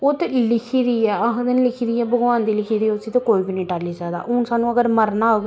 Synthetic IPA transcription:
ʊt̪lɪkʰiːɾiːɛːəkd̪ənlɪkʰiːd̪iːɛːbəɡʋãːnd̪iːlɪkʰiːd̪iːʊsiːt̪ekoːiːbineĩːʈaliːd͡ʒaːd̪a̰ːʔʊnsaːnũːəɡəɾməɾnaː

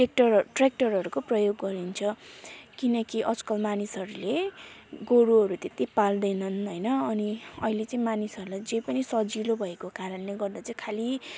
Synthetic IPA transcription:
ek̚ʈʌrʈrek̚ʈʌrɦʌɾukoprʌjoɡːʌɾint͡sʰʌkinʌkiʔʌd͡zkʌlmanisɦʌɾuleɡoɽuɦʌɾut̪et̪ipald̪ʌjnʌnɦʌjnʌːniʌilet͡sãĩmanisʌɾulajd͡zʌjpʌnisʌd͡zilobʱʌekokaɾʌnleɡʌrd̪at͡sãĩkʰali

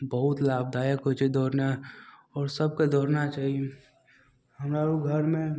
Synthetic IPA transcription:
bɐɦʊt̪laːbd̪aːjəkɦot͡ʃed̪ɔːɾnaɦɔːɾsɐb̚kod̪ɔːɾnat͡ʃaːɦie | ɦɐmɾaːɾoɡʱɐɾmẽ

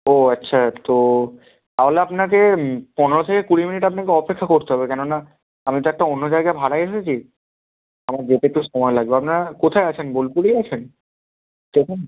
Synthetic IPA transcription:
oatːɕʰat̪o | t̪aɦoleapnakeponeɾot̪ʰekekuɽiminiʈapnakeɔpekʰːakoɾt̪eɦɔbekɛnona | amit̪oɛk̚ʈaonːod͡ʑaeɡaebʱaɽaeʃet͡ɕʰi | amaɾd͡ʑeʈ̪ekʈːoʃɔmɔelaɡ̚beapnaɾakot̪ʰaeat͡ɕʰenbolpuɽejat͡ɕʰen | t̪ekʰon

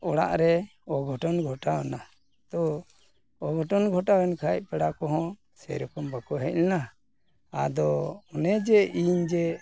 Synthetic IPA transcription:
ɔɽa̰ʔɾɛɔɡʱɔʈɔnɡʱɔʈaɔna | t̪ɔː | ɡʱɔʈɔnɡʱɔʈaɡɛnkʰac̚pɛɽakɔɦɔ̃ | sɛ̰ɾɔkɔmbakɔɦɛc̚lɛna | a̰d̪ɔɔnɛd͡ʒɛiɲd͡ʒɛ

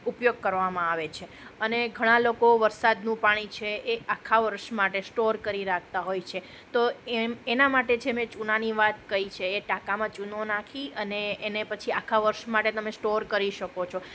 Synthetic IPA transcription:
upjoɡ̚kəɾʋamãaʋet͡ʃʰe | əneɡʱəɽ̃ãlokoʋəɾsad̪nũpaɽ̃it͡ʃʰeeakʰaʋəɾʃmaʈesʈoɾkəɾiɾak̚ʰt̪aɦojt͡ʃʰe | t̪oeenamaʈed͡ʒemẽt͡ʃunaniʋat̪kəit͡ʃʰeːʈakamãt͡ʃunonakʰiəneːnepət͡ʃʰiakʰaʋəɾʃmaʈet̪əmẽsʈoɾkəɾiʃəkot͡ʃʰo

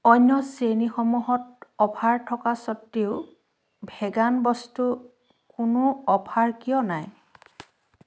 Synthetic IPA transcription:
ɔɲːɔsenixɔmuɦɔtɔpʰaɹtʰɔkasɔtːiʊ | bʱɛɡanbɔstu | kʊnʊɔpʰaɹkijɔnaj

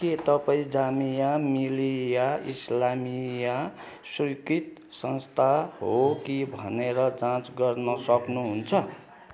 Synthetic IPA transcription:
ket̪ʌpaĩd͡zamijamilijaislamija | sikit̪ | sʌnst̪ʰaɦokibʱʌneɾʌd͡zãt͡sɡʌrnʌsʌknuɦunt͡sʰʌ

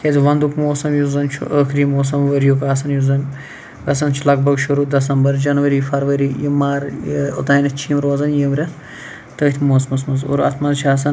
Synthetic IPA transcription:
kezʋɐnd̪ukmoːsɐmjuzɐnt͡ʃʰṵʔəːkʰɾiːmoːs̬ɐmʋɐɾjukaːsɐnjuzɐn | ɡɐsɐnt͡ʃʰulɐk̚bɐɡʃuɾuːd̪ɐs̬ɐmbɐɾd͡ʒɐnʋɐɾiːfɐɾʋɐɾijimaːɾut̪aːnɐt͡ʃʰiːmɾoːzɐnjɐmɾʲɐ | t̪əːt̪ʲʰmoːsmɐsmɐzṵɾɐ̰t̪ʰmɐnt͡ʃʰaːs̬ɐ

